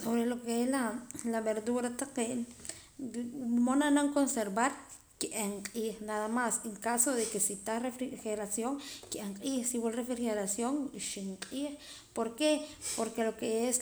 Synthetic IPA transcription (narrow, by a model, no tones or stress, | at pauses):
soβɾelokeelalaβeɾd̪uɾat̪aqen | monanaŋkonseɾβaɾ | kiʔeɴqʼiːχnaðamaseŋkasoðekesit̪arefɾixeɾasjoŋkiʔeɴqʼiːχsiwulrefɾixeɾasjoŋiʃiɴqʼiːχ | poɾkepoɾkelokees